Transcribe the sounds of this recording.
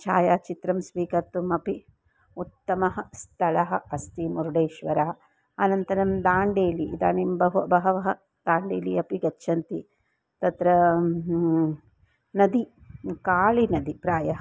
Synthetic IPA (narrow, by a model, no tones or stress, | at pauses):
t͡ʃʰaːjaːt͡ʃit̪ɾɐmsʋiːkɐɾt̪ːumɐpi | ut̪ːɐmɐɦɐ̆st̪ʰɐlɐɦɐ̆ɐst̪imuɾuɖeːʃʋɐɾɐɦɐ | ɐnɐnt̪ɐɾɐmd̪aːɳɖeːliːd̪aːnimbɐɦuɐbɐɦɐʋɐɦɐ | d̪̥aːɳɖeːliɐpiɡɐːʃʰɐnt̪i | t̪ɐt̪ɾɐ | nɐd̪ikaːɭinɐd̪ipɾaːjɐɦɐ